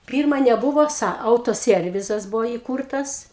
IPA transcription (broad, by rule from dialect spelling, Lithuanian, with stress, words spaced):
ˈpʲiːrmɐ nʲɛˈbʊʋoː ˈsɐ ˌɐʊtoːˈsʲiɛrʲʋʲɪzɐs ˈbʊʋoː iːˈkuːrtɐs